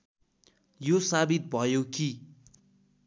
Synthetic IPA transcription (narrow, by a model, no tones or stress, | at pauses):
josabit̪̚bʱʌjoki